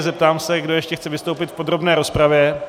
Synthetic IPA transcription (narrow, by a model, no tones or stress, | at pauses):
zɛp̚t̪aːmsɛɡdo̞jɛʃcɛxt͡sɛvɪst̪owpɪt̪fpo̞d̪ɾo̞bnɛːɾo̞spɾavjɛ